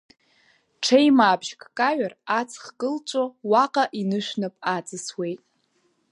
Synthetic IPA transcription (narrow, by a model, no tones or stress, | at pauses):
ʈ͡ʂʰejmaːbʒkʼkʼaɥarat͡sʰχkʼɨlt͡ʃʷʼowaqʼaʔinɨʃʷᶣnapʼat͡sʼɨswe̞jtʼ